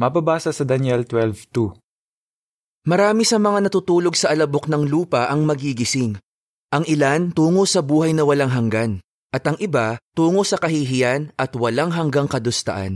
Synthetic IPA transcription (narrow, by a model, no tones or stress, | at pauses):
mɐbabaːsɐsɐd̪ɐnjɛlt̪wɛlvt̪u | mɐɾaːmisɐmɐŋanɐt̪uːt̪uːlo̞ɡsɐʔɐlɐbo̞k̚nɐŋluːpɐʔɐŋmɐɡiɡɪsɪŋ | ʔɐŋʔɪlant̪uːŋosɐbuːhɐjnɐwɐlaŋɦɐŋɡan | ʔɐt̪ɐŋʔɪbat̪uːŋo̞sɐkɐɦiɦɪjanʔɐt̪wɐlaŋɦɐŋɡaŋkɐd̪ʊst̪ɐ̰ʔa̰n